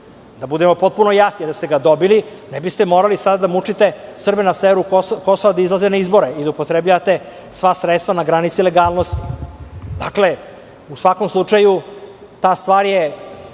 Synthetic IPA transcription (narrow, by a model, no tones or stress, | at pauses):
d̪abud̪e̞mo̞po̞t̪̚puno̞jasnid̪ast̪e̞ɡad̪o̞bilinebist̪emoːɾalisad̪ad̪amut͡ʂit̪e̞sr̩benaseːeɾukoko̞soʋad̪aizlˠazenaizbo̞ɾeid̪aupo̞t̪ɾebʎaʋat̪e̞ | sʋasɾet̪st̪vanaɡɾanit̪sileɡaːlno̞st̪id̪akle̞ | usʋako̞mslˠut͡ʂaju | t̪aːst̪ʋaːɾje